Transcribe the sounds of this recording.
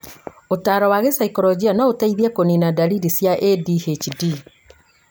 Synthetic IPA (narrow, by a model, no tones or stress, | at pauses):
otaːɾɔwaɣesaikɔɾɔd͡ʑianɔotaiðiɛkoninadaɾidisjaʔedihet͡ʃidi